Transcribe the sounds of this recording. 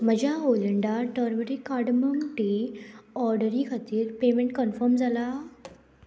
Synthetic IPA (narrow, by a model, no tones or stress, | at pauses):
məd͡ʑʱaoləɳɖaʈəɾməɾikaɽməmʈi | ɔɾɖəɾikʰat̪iːɾpemẽɳʈ̚kənfəɾmd͡zala